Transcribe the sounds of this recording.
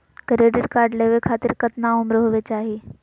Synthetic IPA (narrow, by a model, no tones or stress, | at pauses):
kəɾeːɖɪɖkaːɾɖleːʋekʰaːt̪ɪɾkɐt̪naʊmɾoɦoʋet͡ɕaːɦiː